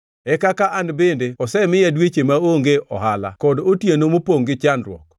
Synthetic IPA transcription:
ɛkakaʔanbendeɔsɛmɪjɛdwet͡ʃemaoŋɡeɔ̰hala̰kɔdotjenomopoŋɡɪt͡ʃanɾwɔ̰k

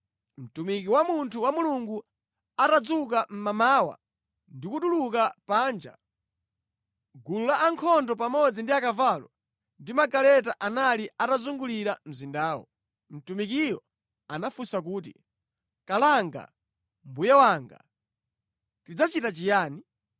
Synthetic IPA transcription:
m̩tumikiwamuntʰuwamuluŋɡu | atad͡zuk̬am̩mamaːwa̰ | ndikuɗulukapaːnd͡ʒa̰ | ɡululaʔːŋkʰɔndɔpamɔd͡zindiakavalɔ | ndimaɡalɛt̬aʔanaliatazuŋɡuliɾam̩zindaːwɔ̰ | m̩tumik̬ijɔ | anafusak̬uːt̬ḭ | kalaŋɡa̰ | mbujawaːŋɡa̰ | tid͡zat͡ʃitat͡ʃijaːni

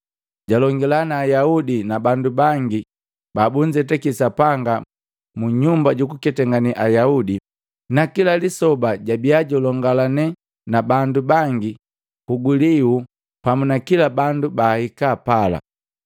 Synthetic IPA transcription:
ɟalɔŋɡɛlanaːjaudinabandubaŋɡi | babuɲd͡ʒɛt̬ɛkisapaŋɡa | muɲumbaɟukukɛtɛŋɡaniʔajaudi | nakilalisɔbaɟabiaɟɔlɔŋɡalanɛ | nabandubaŋɡi | kuɡuliu | pamunakilabandubaːhikapala̰

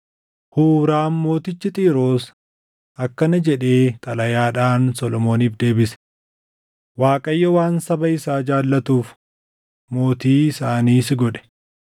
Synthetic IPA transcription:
huːɾaːnmo̞ːt̪ɪt͡ʃːɪt̪ʼiːɾo̞ːs | ɐkːɐnɐd͡ʒɛᶑe̞ːt̪ʼɐlɐjaːᶑaːnsɔlɔmo̞ːniːfd̪e̞ːbɪsɛ̥ | waːkʼɐjːɔwaːnsɐbɐɪsaːd͡ʒaːlːɐt̪uːf | mo̞ːt̪iːɪsaːniːsɪɡɔᶑɛ̥

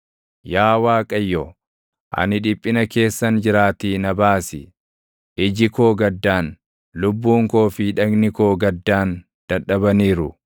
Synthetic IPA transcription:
jaːwaːkʼɐjːɔ | ʔɐ̰nɪᶑɪpʼːɪnɐke̞ːsːɐnd͡ʒɪɾaːt̪iːnɐbaːsɪ | ʔɪd͡ʒɪko̞ːɡɐd̪ːaːn | lʊbːuːŋko̞ːfɪᶑɐɡnɪkoːɡɐd̪ːaːn | d̪̥ɐᶑːɐbɐniːɾʊ

